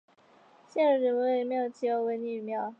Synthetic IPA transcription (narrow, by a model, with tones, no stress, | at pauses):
ɕɛ˥˩nə˧˥ɻə˧˥nwə˧˥we˨˩˨me˧˥ɪjo˨˩ʊt͡ɕi˥˩jo˧˥ʊwe˧˥ɪny˥˨mjɑ˥˧˩ʊ